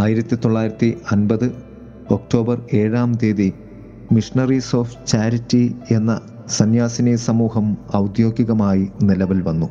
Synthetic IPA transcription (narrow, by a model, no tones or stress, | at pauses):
aːjiɾɐt̪ːit̪oɭːaːjiɾɐt̪ːiɐnbɐðɨ | o̞k̚ʈo̞ːbɐre̞ːɻaːmd̪eːði | miʂnɐriso̞ːft͡ɕaːɾitːie̞nːɐ | sɐnjaːsinesɐmuːhɐmɐwd̪jo̞ːɡiɣɐmaːjinilɐʋilʋɐnːu